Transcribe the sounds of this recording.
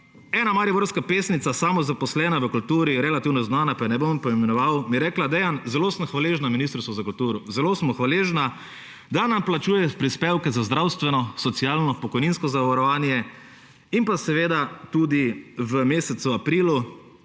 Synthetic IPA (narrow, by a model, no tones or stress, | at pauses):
ɛːnamaɾibɔɾskapeːsnit̪sasamɔzapɔslɛːnaʋəkult̪uːɾiɾɛlat̪iːwnɔznaːnapajɛnɛbompɔimɛnɔʋawmiɾɛːklad̪ɛjanzɛloːsmxʋaleːʒnaminist̪ɾisɔzakult̪uːɾɔzɛloːsmɔxʋaleːʒna | d̪anamplat͡ʃuːjɛpɾispeːwkɛzazd̪ɾawst̪ʋɛnɔsɔt̪siaːlnɔpɔkɔjninskɔzaʋaɾɔʋaːnjɛ | impasɛʋeːd̪at̪ud̪iʋəmeːsɛt̪suapɾiːlu